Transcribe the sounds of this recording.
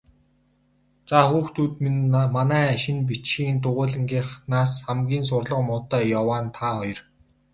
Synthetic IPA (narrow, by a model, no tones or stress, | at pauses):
t͡saxuːxt̪ʰuːt̪minmanæːʃɪ̆np̬it͡ɕxiːnt̪̬ʊʁʊːɮə̆ŋɡiːχnaːsχamɡʲiːns̬ʊrɮə̆qmʊːt̪œːjawaːnt̪ʰaɔjɞ̆r